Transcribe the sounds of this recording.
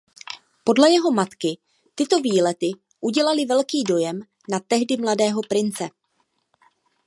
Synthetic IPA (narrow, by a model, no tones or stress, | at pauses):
po̞dlɛjɛɦo̞mat̪kɪ | t̪ɪt̪o̞viːlɛt̪ɪ | ʔuɟɛlalɪvɛlkiːdo̞jɛm | nat̪ɛɦdɪmladɛːɦo̞pɾɪnt͡sɛ